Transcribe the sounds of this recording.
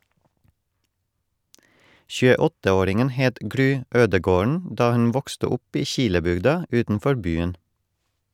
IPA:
çʉːəˈɔtə ˈoːɾɪŋən ˈheːt ˈɡɾyː ˈøːdəɡoːɳ ˈdɑː ˈhʉn ˈʋɔkstə ˈʊp ˈiː ˈçɪləbʏɡdɑ ˈʉːtn̩ˌfɔɾ ˈbyːən

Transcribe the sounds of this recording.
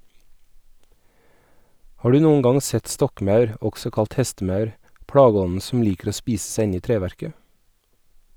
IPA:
ˈhɑː ˈɖʉː ˈnuːʊn ˈɡɑŋ ˈsɛt ˈstɔkˌmɑʉɾ ˈɔɡsɔ ˈkɑlt ˈhɛstəˌmɑʉɾ ˈpɽɑːˌɡɔnn̩ sm̩ ˈliːkɾ̩ ˈoː ˈspiːss̩ ˈsæɪ ˈɪn ˈiː ˈtɾeːʋæɾkə

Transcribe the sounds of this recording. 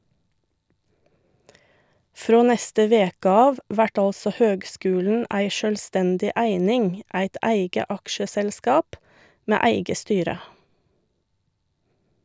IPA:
ˈfɾoː ˈnɛstə ˈʋeːkə ˈɑːʋ ˈʋæʈ ˈɑlsɔ ˈhøːɡˌskʉːln̩ ˈæɪ ʃœlˈstɛndɪ ˈæɪnɪŋ ˈæɪt ˈæɪɡə ˈɑkʃəsɛlˌskɑːp ˈmeː ˈæɪɡə ˈstyːɾə

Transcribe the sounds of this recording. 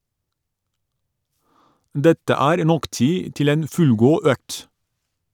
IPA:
ˈdɛtə ˈæːɾ ˈnɔk ˈtiː ˈtɪl ˈeːn ˈfʉlˌɡuː ˈœkt

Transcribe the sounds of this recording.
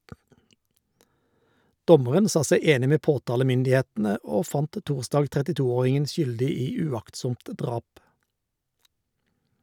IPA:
ˈdɔməʁən ˈsɑː ˈsæɪ ˈeːnɪ ˈmeː ˈpoːˌtɑːləmʏndɪˌheːtn̩ə ˈoː ˈfɑnt ˈtuːʁˌsdɑːɡ tʁɛtɪˈtuːˌoːʁɪŋən ˈʃʏldɪ ˈiː ʉˈɑktˌsʊmt ˈdʁɑːp

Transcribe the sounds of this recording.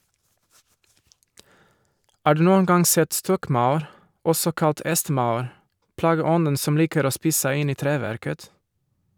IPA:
ˈɑː ˈɖʉː ˈnuːən ˈɡɑŋ ˈsɛt ˈstɔkˌmaʊɾ ˈɔsɔ ˈkɑt ˈʔɛstˌmaʊɾ ˌplɑːɡəˈɔnən ˈsɔm ˈliːkəɾ ˈoː ˈspiːs ˈsæɪ ˈɪn ˈiː ˈtɾeːˌʋæɾkət

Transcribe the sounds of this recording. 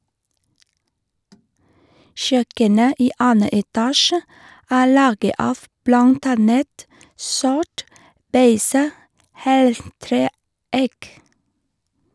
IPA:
ˈʃœkənə ˈiː ˈɑːnə ɛˈtɑːʃə ˈæː ˈlɑːɡə ˈɑːf ˈblɑnt ˈɑnət ˈsɔʈ ˈbeɪsə ˈheːlˌtɾeː ˈæɪk

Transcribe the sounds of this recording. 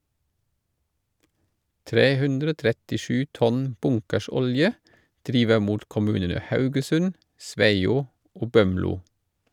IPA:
ˈtɾeː ˈhʉndɾə ˈoː tɾɛtɪˈʃʉː ˈtɔn ˈbʊŋkəˌʃɔljə ˈdɾiːʋə ˈmuːt kɔˈmʉːnənə ˈhɑʉɡəˌsʉn ˈsʋæɪuː ˈoː ˈbœmluː

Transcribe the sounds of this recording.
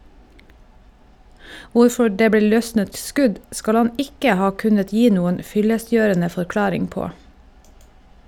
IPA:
ˈʋʊɾfɔ ˈɖeː ˈbleː ˈlœsnət ˈskʉɟ ˈskɑl ˈɑn ˈɪkə ˈhɑː ˈkʉnət ˈjiː ˈnuːən ˈfʏləˌsjøːɛɳə fɔɾˈklɑːɾɪŋ ˈpoː

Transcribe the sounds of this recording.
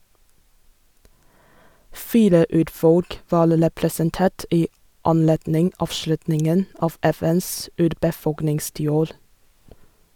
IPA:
ˈfiːɾə ˈʉːɾˌfɔlk ˈʋɑːɾ ɾɛpɾɛsənˈteːʈ ˈiː ɑnˈleːdnɪŋ ˈɑːʋˌʃlʉtnɪŋən ˈɑːʋ ˈɛˌfɛns ˈʉːɾbəˌfɔlknɪŋstiːˌoːɾ

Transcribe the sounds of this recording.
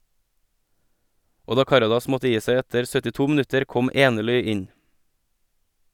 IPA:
ˈoː ˈdɑː ˈkɑɾɑdɑs ˈmɔtə ˈjiː ˈsæɪ ˈɛtəɾ sœtɪˈtuː mn̩ˈʉtəɾ ˈkɔm ˈeːnəˌɭʏ ˈɪn

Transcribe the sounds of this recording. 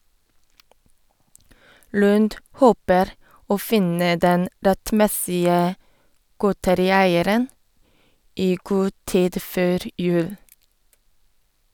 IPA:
ˈlʉːnd ˈhoːpəɾ ˈoː ˈfɪnə ˈdɛn ɾɛtˈmɛsɪə ˈɡoːtəɾɪˌæɪəɾən ˈiː ˈɡuː ˈtiːd ˈføːɾ ˈjʉːl

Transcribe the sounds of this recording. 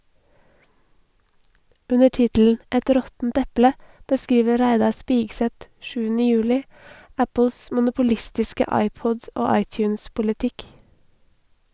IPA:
ˈʉnə ˈʈɪtl̩n̩ ˈɛt ˈɾɔtn̩t ˈɛplə bəˈskiːʋə ˈɾæɪdɑ ˈspɪɡsɛt ˈʃʉːnɪ ˈjʉːlɪ ˈæpʊs mʊnʊpʊˈlɪstɪskə ˈɑɪˌpɔd ˈoː ˈɑɪˌtjʉːnspʊlɪˌtɪk

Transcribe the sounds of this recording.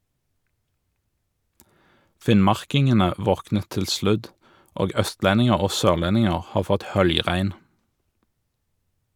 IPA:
ˈfɪnˌmɑʁkɪŋənə ˈʋɔknə ˈtɪl ˈslʉd ˈoːɡ ˈœstˌlɛnɪŋəʁ ˈoː ˈsøːʁˌlɛnɪŋəʁ ˈhɑːʁ ˈfɔt ˈhœljˌʁæɪn

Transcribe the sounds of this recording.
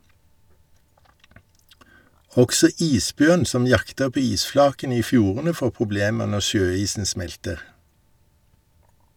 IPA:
ˈɔksɔ ˈiːsˌbjœn ˈsɔm ˈjɑktə ˈpoː ˈiːsˌflɑːkən ˈiː ˈfjuːʁənə ˈfoː pʁʊˈbleːmə ˈnɔ ˈʃøːˌiːsn̩ ˈsmɛltəʁ

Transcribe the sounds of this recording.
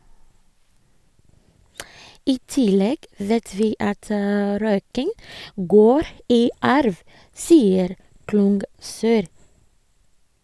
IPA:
ˈiː ˈtɪlɛɡ ˈʋeːt ˈʋiː ˈɑt ə ˈɾœʏkɪŋ ˈɡoːɾ ˈiː ˈɑɾʋ ˈsiːəɾ ˈklʊŋɡsœɾ

